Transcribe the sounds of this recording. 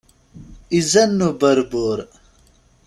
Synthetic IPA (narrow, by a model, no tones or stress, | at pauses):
izɐnːubɐɾboːɾ